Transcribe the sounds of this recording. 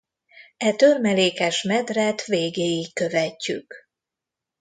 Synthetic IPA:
ɛt̪ørmɛleːkɛʃmɛd̪rɛt̪ʋeːɡeːjikːøvɛcːyk

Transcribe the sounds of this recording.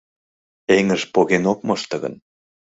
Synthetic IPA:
eŋəʒpoɣenok̚moʃt̪ə̆ɣə̰n

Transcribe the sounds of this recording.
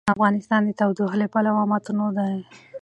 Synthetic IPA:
afɣɑnɪst̪ɑnd̪ət̪awd̪uɦlepalawɑmɑt̪unod̪a

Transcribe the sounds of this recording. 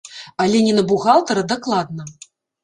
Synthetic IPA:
alʲɛnʲɛnɐbuɣalˠt̪ɐɾɐd̪aklˠad̪nɐ

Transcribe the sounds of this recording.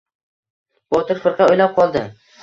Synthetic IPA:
b̥ɒt̪ʰɪɾfɪɾqɑojlap̚qʰɒlˠd̪ɪ

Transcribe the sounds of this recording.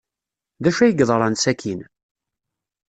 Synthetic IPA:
ðæʃæjəɡðˤəɾˤɑnsækʰin

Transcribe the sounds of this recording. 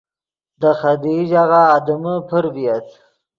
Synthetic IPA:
d̪əxad̪iʒaɣaːd̪əməpʰəɾbijat̪

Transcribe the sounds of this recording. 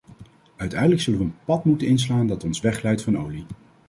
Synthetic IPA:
œɥtɛjdələksɵlənʋəənpɑtmutənɪns̬laːndɑtɔnsʋɛχlɛjtfɑnowli

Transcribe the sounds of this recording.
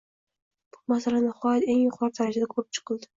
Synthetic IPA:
b̥ʊ̥masalanɪχɒjat̪e̞ŋjʊqʰɒɾt̪ʰaɾad͡ʒad̪akʰoɾɪp̚t͡ʃʰɨ̥qʰɨlˠd̪ɪ

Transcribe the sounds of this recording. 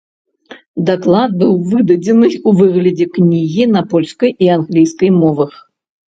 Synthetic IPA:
d̪aklˠad̪̚bɨwvɨd̪ɐd͡zʲɛnɨuvɨɣlʲɐd͡zʲɛknʲiɣʲinɐpɔlʲskɐjianɣlʲijskɐjmɔvɐx

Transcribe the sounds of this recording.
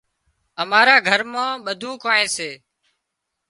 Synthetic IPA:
əmaːɾaːɡʱəɾmãːɓəd̪ʱũːkaːɦẽːseː

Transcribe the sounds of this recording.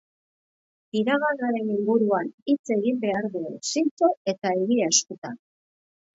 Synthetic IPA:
iɾaɣalɣaɾe̞niŋɡuɾuanit͡se̞ɣimbe̞aɾðuesint͡soe̞t̪aeɣiaskot̪an

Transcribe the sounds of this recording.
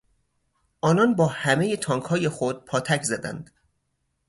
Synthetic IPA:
ʔɒːnɒnbɒːhæme̞jet̪ʰɒːŋkʰhɒːje̞xod̪̥̚pʰɒːt̪ʰæcʰzæd̪æ̰nd̪̥

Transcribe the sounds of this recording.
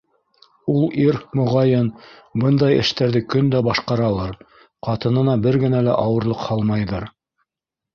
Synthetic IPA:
ulˠiɾmŏʁɑjɤnbɤnd̪ɑjɘ̰̆ʃt̪æɾðɘkɵnd̪æbɑʃqɑɾɑlˠɤɾ | qɑt̪ɤ̆nɤ̆nɑbɘɾɡɘ̆nælæ̰ʔɑwɤ̆ɾlˠɤqhɑlˠmɑjðɤɾ

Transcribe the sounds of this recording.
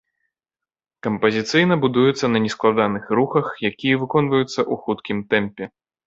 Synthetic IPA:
kɐmpɐzʲit̪sɨjn̪ɐbud̪ujɛt̪sːɐnɐnʲɛsklˠad̪anɨxɾuxɐxjakʲijɐvɨkɔnvɐjut̪sːɐʔuxut̪kʲimt̪ɛmpʲɛ

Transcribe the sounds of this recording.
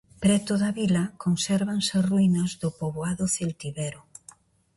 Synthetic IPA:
pɾɛt̪oðɐβilɐkonsɛɾβaŋsɐruinɐzðʊpoβoaðʊθilt̪iβɛɾʊ

